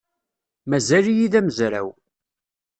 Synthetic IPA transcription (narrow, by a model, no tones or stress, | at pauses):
mæzælijiðæməzɾæ̰w